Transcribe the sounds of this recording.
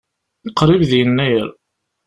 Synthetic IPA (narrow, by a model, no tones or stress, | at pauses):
iqɾivðjənːæjəɾ